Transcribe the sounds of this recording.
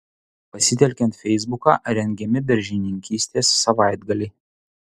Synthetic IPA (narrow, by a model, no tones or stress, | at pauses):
pɐsʲɪt̪ʲɛlʲkʲɛnt̪fʲɛɪzbʊkɑ̰ɾʲɛŋʲɡʲɛmʲɪb̪ʲɛɾʲʒʲɪnʲɪŋʲkʲiːsʲt̪ʲeːsːɐʋɑˑɪd̪ɡɐlʲɛɪ